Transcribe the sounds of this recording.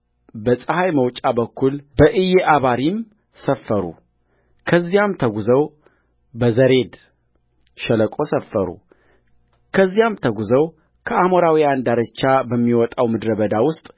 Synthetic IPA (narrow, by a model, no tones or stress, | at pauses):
bəsʼəhajməwt͡ʃʼabəkʰːulbəʔɨjeʔaβaɾim | səfːəɾṵ | kʰəzːijamt̪ʰəɡuzəw | bəzəɾe̞d̪ | ʃɛləkʼo̞səfːəɾṵ | kʰəzːijamt̪ʰəɡuzəw | kʰəamoɾawiand̪aɾət͡ʃːabəmːiwɔt̪ʼawmɨd̪ɾəβəd̪awʊst̪ʼ